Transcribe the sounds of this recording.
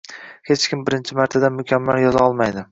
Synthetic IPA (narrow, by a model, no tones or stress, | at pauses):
het͡ʃkʲɪmbɪɾɪnt͡ʃʰɪmaɾt̪ʰad̪amʊkʲʰamːaljɒzaɒlˠmajd̪ɪ